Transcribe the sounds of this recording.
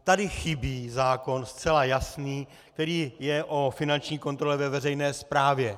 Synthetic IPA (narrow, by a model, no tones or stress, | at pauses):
t̪adɪxɪbiːzaːko̞nst̪t͡sɛlajasniː | k̚t̪ɛɾiːjɛʔo̞fɪnant͡ʃɲiːko̞nt̪ɾo̞lɛvɛvɛrɛjnɛːspɾaːvjɛ